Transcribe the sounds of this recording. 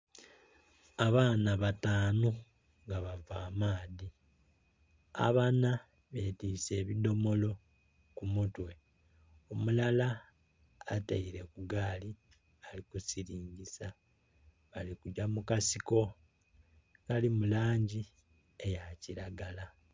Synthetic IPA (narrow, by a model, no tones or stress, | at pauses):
aβaːnaβataːnu | ŋɡaβavaːmaːði | a̰βana | βetise̞ːβido̞mo̞lo̞ | kumutwe̞ | omulalaː | taiɾe̞kuɡaːli | alikusiɾiːɲɟisa | βalikuɟamukasiko̞ | kalimulaːɲɟi | ejaciɾaɡala